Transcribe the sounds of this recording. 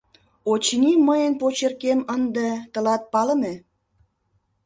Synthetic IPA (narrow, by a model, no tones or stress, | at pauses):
ot͡ɕniməjənpot͡ɕərkemənd̪et̪əlɑt̪̚pɑləme